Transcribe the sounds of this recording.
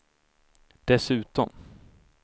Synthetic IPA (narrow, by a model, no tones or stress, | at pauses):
d̪̥ɛsʉ̟ːt̪ɔm